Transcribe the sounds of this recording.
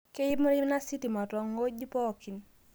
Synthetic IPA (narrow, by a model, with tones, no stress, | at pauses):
ke˦jɪ˦m˦ɾi˦na˦si˦ti˨ma˨twɔ˨ŋo˦ɡi˦pɔ˦˨ki˨n